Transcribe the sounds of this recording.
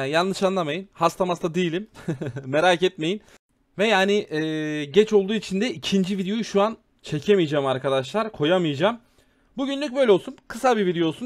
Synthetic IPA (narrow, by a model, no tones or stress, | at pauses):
janlˠɯʃanlˠamajɯnhast̪ʰamast̪ʰad̪ijilʲimːe̞ɾaːcɛt̪me̞jin | vɛjaːnɪʔɛːɟɛt͡ʃʰo̞lˠd̪uːit͡ʃʰind̪ɛicʰind͡ʒivid̪eo̞juʃuan | t͡ʃʰe̞cʰemijd͡ʒaːmaɾkʰad̪aʃ̬lˠaɾkʰo̞jamɯjd͡ʒaːm | buɟynlʲyc̚bø̞jlʲeo̞lˠsunkʰɯsabivid̪ejo̞lˠsun